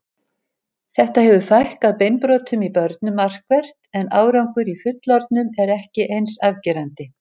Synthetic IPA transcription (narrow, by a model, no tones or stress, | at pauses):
θɛht̪ahɛvʏfajhkaðpejnpɾoːt̪ʰʏmipœɾt̪̚nʏmːar̥kvɛr̥t̪ɛnaːwɾawŋkʏɾifʏt̪lɔɾt̪̚nʏmɛɾɛhcɪʔejnsavcɛɾant̪ɪ